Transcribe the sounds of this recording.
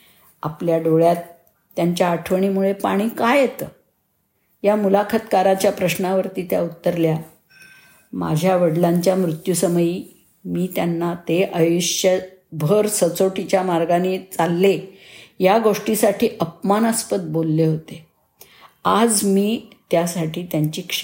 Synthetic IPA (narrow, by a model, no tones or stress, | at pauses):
a̰pljaɖoɭjat̪ː | jaɲt͡ɕjaːʈʰʋəɳ̃iːmuɭepaɽ̃iːkajet̪ə | jamulakʰət̪kaɾat͡ɕjapɾəɕnaʋəɾt̪iːt̪ja̰ut̪ːəɾlja | ma̰d͡ʑʱjaʋəɽlaɲt͡ɕjamɾut̪jusəməjiː | miːt̪janːat̪eʔəjuɕjəbʱəɾsət͡soʈit͡ɕjamaɾɡanet͡salːejaɡoʂʈisaʈiːʔəp̚manəspət̪̚bolːeɦot̪e | ad͡zmiːt̪jasaʈʰiːt̪jaɲt͡ɕiːkʂ